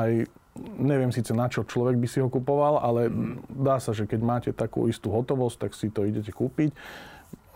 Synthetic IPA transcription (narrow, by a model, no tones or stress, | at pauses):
aj | ɲɛʋɪɛmsiːt͡sɛnat͡ʃɔt͡ʃlɔʋɛɡbisiɦɔkupɔʋalʔalɛzd̪aːsaʒɛkɛɟmaːcɛt̪akṵːist̪uːɦɔt̪ɔʋɔst̚t̪ːaksit̪ɔiɟɛcɛkuːpic